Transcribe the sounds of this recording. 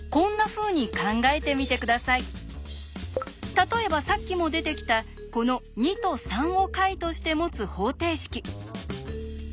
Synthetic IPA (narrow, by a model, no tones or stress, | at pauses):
kõ̞nːaɸɯ̟ːɲ̟ikãŋɡae̞t̪e̞mʲit̪e̞kɯ̟d̪asai | t̪at̪o̞e̞basakʲːimo̞d̪e̞t̪e̞kʲi̥t̪a | ko̞no̞ɲ̟it̪o̞sãɰ̃o̞kait̪o̞ɕi̥t̪e̞mo̞t͡sɨho̞ːt̪e̞ːɕi̥kʲi